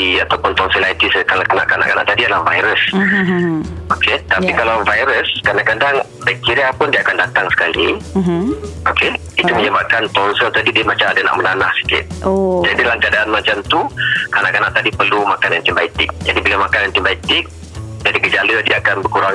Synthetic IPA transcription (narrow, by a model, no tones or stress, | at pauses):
iat̪awpʊnt̪ɔnsilait̪iskalakana̰ʔkana̰ʔkana̰ʔt̪adiadəlahva̰jɾəs | oket̪apikalawvajɾəskadaŋkadaŋ | baʔkiɾiapʊndiəakandat̪aŋsə̥kali | ʔoke | it̪uməɲəbap̚kant̪ɔnsəlt̪adidiəmat͡ʃamadana̰ʔmənanahsə̥kɪ̰t̪̚od͡ʒadilahkəadaanmãt͡ʃamt̪ukanaʔkana̰ʔt̪adipərlumakanənt̪imbait̪ɪk̚d͡ʒadibilamakanənt̪imbait̪ɪk̚ | d͡ʒadikəd͡ʒalədiaakanbəkuɾaŋ